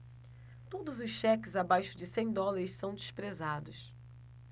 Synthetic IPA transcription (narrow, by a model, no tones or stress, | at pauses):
t̪od̪ʊzʊsʃɛkɪzabajʃʊd͡ʒɪsẽj̃d̪ɔlaɾɪssɐ̃w̃d͡ʒɪʃpɾezad̪ʊs